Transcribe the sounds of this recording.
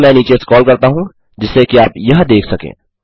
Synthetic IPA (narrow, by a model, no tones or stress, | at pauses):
mɛ̃ːniːt͡ʃeskɔːlkɐɾt̪aɦũ | d͡ʒɪsekiaːpjɐɦd̪eːkʰsɐkḛ̃ː